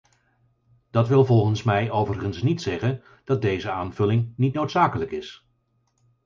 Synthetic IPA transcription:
d̥ɑtʋɪlˠvɔlˠχənsmɛjowvərχənsnitsɛχən | d̥ɑt̚dejzəaːnvɵlɪŋnitnowtsaːkələkɪs

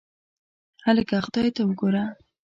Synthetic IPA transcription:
haləɡaqd̪ɑjt̪awəɡoɾa

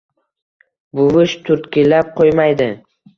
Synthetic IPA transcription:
bʊvɪʃt̪ʰʊɾt̪kʲɪlːap̚qʰojmajd̪ɪ

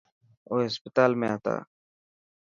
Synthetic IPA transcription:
oːɦɪspət̪aːlmẽaːt̪a̰ː

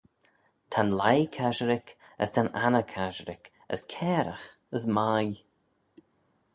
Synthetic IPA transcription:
t̪ʰanlajkʰaʒəɾɪk | ə̰st̪ʰananəkʰaʒəɾɪ̰k | ə̰skʰɛːɾə̰x | əsmaj

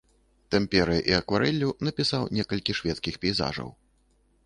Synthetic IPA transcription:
t̪ɛmʲpʲɛɾɨʔiɐkvaɾɛlʲːunɐpʲisawnʲɛkɐlʲkʲiʂvʲɛt̪skʲixpʲɛjza̰ʐɐ̰w

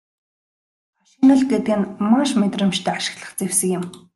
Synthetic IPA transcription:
maʃinə̆ɮɡet̪̚ɡɘ̆nmaʃmet̪rə̆mt͡ɕt̪ʰæːaʃɪ̥̆xɮə̆χt͡sewsə̆ŋjɪ̆m

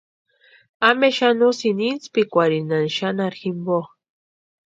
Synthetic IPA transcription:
ameʃanusinint͡spikʷaɾinanʃanaɾximbo

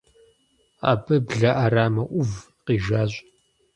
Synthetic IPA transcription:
a̰ːbɨbɮaʔaɾaːmɐʔʷʊv | qiːʒaːʑʷʼ

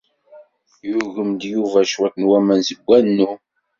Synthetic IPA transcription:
juʝəmd̪juvæʃwækːənwæmænzəɡʷːænnːu

